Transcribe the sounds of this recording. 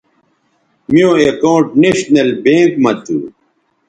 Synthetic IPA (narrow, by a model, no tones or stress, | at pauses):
mijõekoːʈneɕnɐlbẽːŋkmɐt̪ṵ